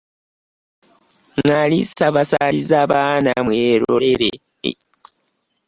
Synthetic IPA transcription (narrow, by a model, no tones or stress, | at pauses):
ŋalisaβasalizaːβaːnamweɾo̰ɾeɾḛ